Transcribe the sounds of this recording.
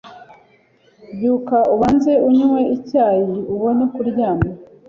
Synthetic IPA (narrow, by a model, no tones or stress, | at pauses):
bjuːkauβaːnze̞uɲweicaːjiuβo̞nekuɾɟaːma